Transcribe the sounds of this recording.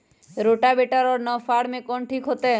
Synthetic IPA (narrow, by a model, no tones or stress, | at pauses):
ɾoʈabeʈaɾɔnɔfaɽmẽkɔɳʈʰikɦot̪e